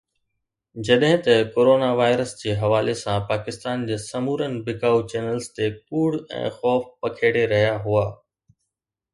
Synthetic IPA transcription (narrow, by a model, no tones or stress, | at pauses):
d͡ʑɐɗɦɪ̃t̪ɐkoːɾoːnaʋaːɪɾəsd͡ʑeːɦɐʋaːlesãpaːkɪst̪aːnd͡ʑeːsɐmuːɾənɪ̆bɪkaːut͡ɕɛːnəlzt̪epuːɽɛ̰̃ːxɔːfpɐkʰeːɽeɾɐɦijaɦuaː